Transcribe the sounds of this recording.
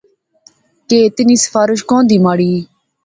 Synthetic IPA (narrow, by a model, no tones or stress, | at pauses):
keːt̪ɪniːsə̥faːɾɪʃkõːnd̪iːmaːɽiː